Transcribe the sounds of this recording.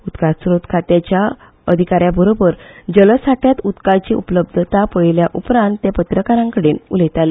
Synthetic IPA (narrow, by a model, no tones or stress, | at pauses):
ut̪kasɾot̪kʰat̪jat͡ɕja | əd̪ʱikaɾjabʱəɾobəɾd͡ʑələsaʈʰjat̪ut̪kat͡ɕiʔupələb̚d̪ʱət̪apəiljaʔupɾãnt̪ːepət̪ɾəkaɾãŋkəɽenulət̪ale